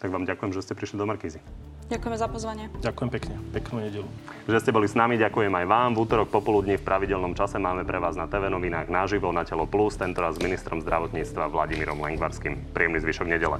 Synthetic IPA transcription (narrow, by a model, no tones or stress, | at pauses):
t̪aɡʋaːmɟakujɛmʒɛscɛpɾiʃlid̪ɔmaɾkiːzi | ɟakujɛmɛzapɔzʋaɲɪɛɟakujɛmpɛkɲɛpɛknuːɲɛɟɛlu | ʒɛscɛbɔlisnamiɟakujɛmajʋaːmvuːt̪ɔɾɔk̚pɔpɔlud̪ɲifpɾʔaʋiɟɛlnɔmt͡ʃasɛmaːmɛpɾʔɛʋaːznat̪ɛʋɛnɔʋinaːɣnaʒiʋɔnacɛlɔplust̪ɛnt̪ɔɾazːminist̪ɾɔmzd̪ɾaʋɔt̪ɲiːt͡st̪ʋaʋla̰ɟimiɾɔmlɛ̰ŋɡʋa̰ɾskimpɾiɛmnizʋiːʃɔɡɲɛɟɛlɛ̰